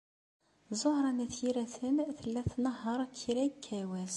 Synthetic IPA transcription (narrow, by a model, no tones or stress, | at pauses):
zˤohɾˤɑnæθjiɾæθənθəlːæθnəɦɑɾˤkʰːiɾæjkʰːæwæz